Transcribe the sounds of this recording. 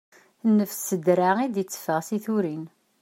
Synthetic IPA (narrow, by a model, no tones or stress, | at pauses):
nːəfsəd̪ɾaid̪jət͡sːə̥fəʁsiθuɾin